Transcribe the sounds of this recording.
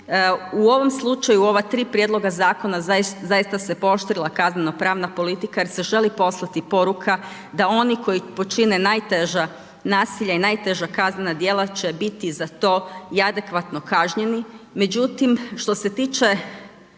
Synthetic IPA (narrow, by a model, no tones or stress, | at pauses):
uo̞ʋo̞mslˠut͡ʃajuo̞ʋat̪ɾiːpɾjed̪lˠo̞ɡazaːko̞nazajist̪ase̞po̞ʃt̪ɾilˠakazneno̞pɾaːʋnapo̞lit̪ikajeɾse̞ʒe̞lipo̞slˠat̪ipo̞ɾukʰa | d̪ao̞niko̞jipo̞t͡ʃinenaːjt̪eʒa | naːsiʎainaːjt̪e̞ʒakaznenad̪jeːlat͡ʃebit̪izat̪o̞ːiad̪e̞kʋat̪no̞kaʒɲe̞nime̞d͡ʒut̪imʃt̪o̞se̞t̪iːt͡ʃe̞